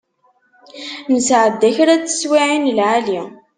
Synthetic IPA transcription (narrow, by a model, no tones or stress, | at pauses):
nəsʕəd̪ːæçɾæt͡sːə̥swiʕinlʕali